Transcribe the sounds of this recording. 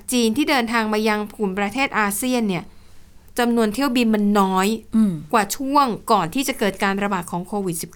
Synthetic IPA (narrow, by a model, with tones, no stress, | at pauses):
t͡ɕa˨˩k̚t͡ɕiː˧nt̪ʰiː˥˩dɤː˧nt̪ʰaː˧ŋmaː˧ja˧ŋpʰuː˨˩npɾa˧t̪ʰeː˥˩t̪̚ʔaː˧si˥˩ənːi˥˩ɐ | t͡ɕa˧mnu˧ənt̪ʰi˥˩əwbi˧nma˧nːɔː˦˥jkwaː˨˩t͡ɕʰu˥˩əŋkɔː˨˩nt̪ʰiː˥˩t͡ɕa˨˩kɤː˨˩t̪̚kaː˧nɾa˧baː˨˩t̪̚kʰɔː˩˦ŋkʰoː˧wi˨˩t̪̚si˨˩p̚k